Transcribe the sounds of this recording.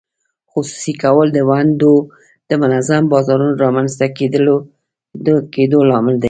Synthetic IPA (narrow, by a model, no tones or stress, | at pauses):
xusu̥sikawəld̪əwand̪o | d̪̥əmʊnazambɑzɑɾunoɾɑmanzt̪aked̪əlo | d̪əked̪olɑmɪld̪a